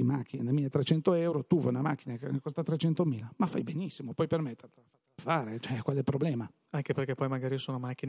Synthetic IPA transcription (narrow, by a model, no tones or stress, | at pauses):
imak̟ːinenelmiet̪ɾet͡ʃɛnt̪oɛwɾot̪uva̰namak̟ːinakkost̪at̪ɾet͡ʃɛnt̪omiːlamafa̰jbenisːimopɔjpermet̪ːat̪aat̪ːlafaːɾet͡ʃoɛkwalɛpɾoblɛːma | aŋkeperk̟epɔjmaɡaːɾisoːnomak̟ːin